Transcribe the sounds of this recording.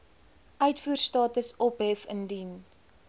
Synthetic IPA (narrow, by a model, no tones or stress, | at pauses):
ʔœɥtfuərstɑːtəsɔpɦɛfəndin